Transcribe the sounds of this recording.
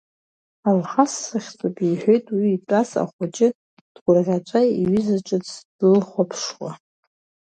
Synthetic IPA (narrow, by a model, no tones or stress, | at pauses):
alχasːɨχʲt͡sʼapʼiħʷᶣo̞jtʼwiːt͡sʼasa̰χʷat͡ʃʼɪ | d̥ɡʷʊrrʲat͡ʃʷʼaiɥizaʈ͡ʂʼɨt͡sd̥ɨlχʷapʰʂwa